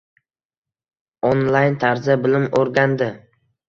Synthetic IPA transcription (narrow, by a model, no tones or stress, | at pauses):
onlˠajnt̪ʰaɾzabɪlɪmoɾɡʲand̪ɪ